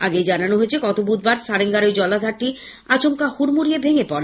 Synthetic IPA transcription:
aɡed͡ʑananoɦoet͡ɕʰekɔt̪obud̪̚baɾsaɾeŋɡaɾojd͡ʑɔlad̪ʱaɾʈːi | at͡ɕomkahuɾmuɾiebʱeŋepɔɾe

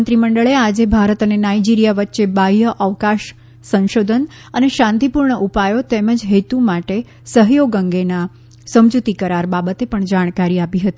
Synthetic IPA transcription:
nt̪ɾiməɳɖəɭead͡ʒebʱaɾət̪ənenaid͡ʒiɾijaʋətːʃebajəʔəʋkaʃ | sə̃nʃod̪ʱən | əneʃãnt̪ipuɾɳəʔupajot̪eməd͡ʒɦet̪umaʈe | səɦjoɡəŋɡena | səmd͡ʒut̪ikəɾaɾbabət̪epəɳd͡ʒaɽ̃kaɾiapiɦət̪i

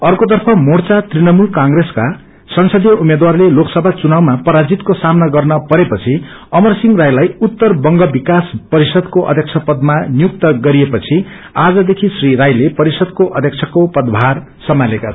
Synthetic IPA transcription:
ʌrkot̪̬ʌrpʰʌmort͡sat̪rinʌmulkaŋɡreska | sʌnsʌd̪jʌumed̪warleloksʌbʱat͡sunawmapʌɾad͡zit̪kosamnaɡʌrnʌpʌɾepʌt͡sʰi | ʌmʌrsiŋɡrajlajut̪ːʌrbʌŋɡʌbikaspʌɾisʌd̪koʔʌ̰d̪ʱjek̚t͡sʰʌpʌd̪manijuk̚t̪ʌɡʌɾiepʌt͡sʰi | ad͡zʌd̪ekʰisriɾajlepʌɾisʌd̪̚koʔʌd̪ʱjʌk̚t͡sʰʌkopʌd̪bʱar | sʌmaleka

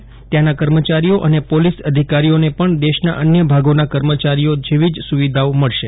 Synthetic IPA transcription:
t̪janakəɾmət͡ʃaɾijoʔənepolisəd̪ʱikaɾijonepəɳd̪eʃna̰ʔənjəbʱaɡonakəɾmət͡ʃaɾiod͡ʒeʋid͡ʒsuʋid̪ʱaoməɭʃe

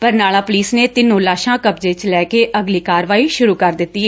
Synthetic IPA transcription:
pəɾnaːlãːpʊliːsneːt̪ɪnːõːlaːʃãːkəpd͡ʒeːt͡ʃlɛːkeːʔəɡliːkaːɾʋaːiːʃʊɾuːkəɾd̪ɪt̪ːiː

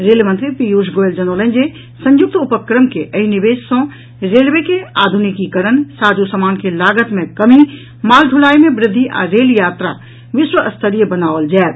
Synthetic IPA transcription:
ɾeːlmə̃nt̪ɾipijuːʃɡoːeld͡ʒɐnoːlə̃ɲd͡ʒe | sɐ̃ɲjʊk̚t̪ʊpəkɾəmkeʔəɦinɪʋeːʃsõ | ɾeːlʋekeaːd̪ʱʊnikikəɾənsaːd͡ʒusəmaːnkelaːɡət̪mẽkɐmi | maːlɖʱʊlaːimẽbɾɪd̪ʱːiʔa̰ɾeːljaːt̪ɾa̰ | ʋɪʃwəʔɐst̪ʰəɾijəbənaːold͡ʒɛːt̪

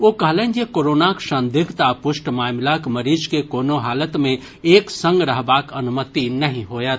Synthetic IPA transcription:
ʋoːkɐɦleːnjekoːɾoːnakʃə̃nd̪ɪɡʱt̪apʊʃʈmaːmlakmɐɾiːd͡ʒkekoːnoɦaːlət̪mẽ | eːksə̃ŋɡɾɐɦbaːkɐnʊmət̪inɐɦĩɦoːja

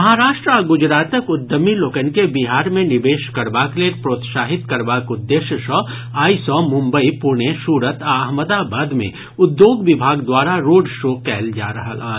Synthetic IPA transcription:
mɦaːɾaːʃʈɾaɡʊd͡ʒɾaːt̪əkʊd̪ːəmiloːkənkebiɦaːɾmẽnɪbeːʃkɐɾbaːkleːɾpɾoːt̪ʃaːɦɪt̪kɐɾbaːkʊd̪ːeːʃəʃɔ | aːisɔ̃ːmʊ̃mbəipuɾɳeʃuːɾət̪aɐɦməd̪abaːd̪mḛ̃ | ʊd̪joːɡʋɪbʱaːɡd̪waːɾaɾoːɖʃoːkɛːld͡ʒa̰ːɾɐɦa̰aː

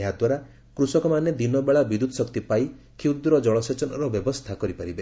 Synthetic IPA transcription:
eɦad̪waɾa | kɾusɔkɔmaned̪inɔbeɭabid̪ud̪ɔsɔkt̪ipaj | kʰiwd̪ɾɔd͡ʒɔɭɔset͡ʃɔnɔ̰ɾɔbjɔbɔst̪ʰakɔɾipaɾibe

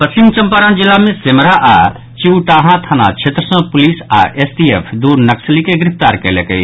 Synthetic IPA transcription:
pɐsɪ̃ŋɡ̚t͡ʃɐmpaːɾãnd͡ʒɪlamẽsemɾaʔaː | t͡ʃiwʈaːɦãt̪ʰanã̰t͡ʃʰeːt̪ɾəsə̃pʊliːsa̰ʔesʈiefʰd̪uːɾnɐksəlikeɡɾɪft̪aːɾkɐlekɐi

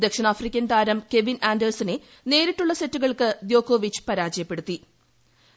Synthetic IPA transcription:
d̪ekʂɐnaːfrikʲːɐnd̪aːɾɐmke̞ʋinaːndɐrsine | ne̞ːɾiʈːuɭːɐsetːuɣɐɭkɨd̪jo̞ːkoːʋit͡ɕːɨ̥pɐɾaːd͡ʑɐjɐpːe̞ɽut̪ːi

